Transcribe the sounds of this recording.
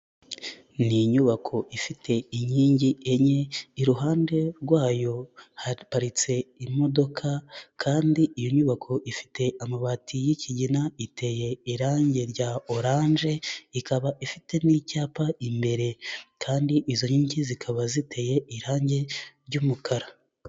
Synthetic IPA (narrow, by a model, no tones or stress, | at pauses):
niɲuβakʰo̞ʔifitʰe̞iɲiːɲɟieɲe̞iɾuɦaːnde̞ɾɡwaːjo̞hapaɾit͡se̞imo̞do̞kʰakʰaːndiʔijoɲuβakʰo̞ʔifi̥te̞ʔamaβatʰijiciɟinaitʰe̞je̞iɾaːɲɟe̞ɾɟao̞ɾaːɲʒe̞ikʰaβaʔifite̞nicaːpaimbe̞ɾe̞kʰaːndiʔizo̞ɲiːɲɟizikʰaβazitʰe̞je̞ʔiɾaːɲɟe̞ɾɟuːmukʰaɾa